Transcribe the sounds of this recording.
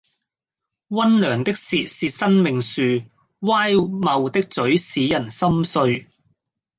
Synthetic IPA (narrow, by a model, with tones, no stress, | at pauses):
wɐ˥nlœː˨˩ŋt̪ɪ˥k̚siː˨t̚siː˨˧tsɐ˥nmɪ˨ŋsyː˨ | waː˥jmɐ˨wt̪ɪ˥k̚t͡sɵ˨˥ɥsiː˨˥jɐ˨˩nsɐ˥msɵ˧ɥ